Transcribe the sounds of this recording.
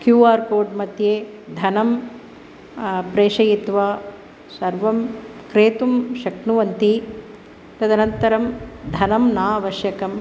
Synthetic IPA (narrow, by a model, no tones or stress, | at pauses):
kjuːaːɾkoːɾɖmɐt̪jeːd̪ʱɐnɐm | pɾeːʃɐjit̪ʋaː | sɐɾʋɐmkɾeːt̪umʃɐknuʋɐnt̪i | t̪ɐd̪ʱɐnɐnt̪ɐɾɐmd̪ʱɐnɐmnaːʋɐʃjɐkɐm